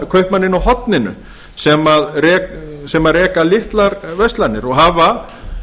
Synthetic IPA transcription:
kʰœɥhpmanːɪnawɦɔt̪nɪnʏ̰ | sɛmaðrɛːksɛmaðrɛːkalɪht̪laɾvœɥst̪lanːɪɾɔɣɦaːva

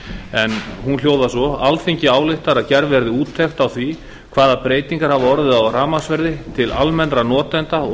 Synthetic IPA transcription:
ɛnhunl̥joːwðasɔalθeɲcɪaːwlɪht̪aɾaðcɛɾvɛɾðɪuːt̪ʰːɛxt̪awθvi | kʰvaːðapɾeːjt̪iŋkaɾ̥havaɔɾðɪðawraːmasvɛɾðɪt̪ʰɪlalmɛnːɾanɔːt̪ɛnt̪aɔ

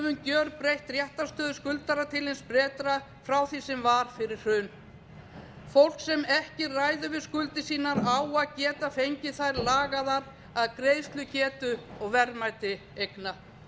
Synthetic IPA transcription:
vʏncœɾpɾejht̪rjɛht̪ast̪œːðʏskʏlt̪aɾat̪ʰɪlenspɾɛːt̪ɾa | fɾawθisɛmvaɾ̥fɪɾɪr̥r̥ʏːn | fowl̥ksɛmɛhcɪraːjðʏvɪðskʏlt̪ɪsiːnaɾawaðcɛːt̪afejɲcɪθajɾlaːɣaðaɾ | aðkɾeːjst̪lʏcɛːt̪ʏɔɣvɛɾmajt̪ɪ | ejkna

